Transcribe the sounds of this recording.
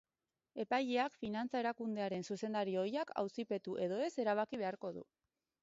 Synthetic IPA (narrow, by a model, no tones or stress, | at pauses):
e̞pajeakfinant͡sae̞ɾakund̪e̞aɾe̞nsuse̞nd̪aɾio̞jakʰa̰wsipe̞t̪uʔe̞ð̞o̞e̞se̞ɾaβ̞akiβe̞aɾko̞ðṵ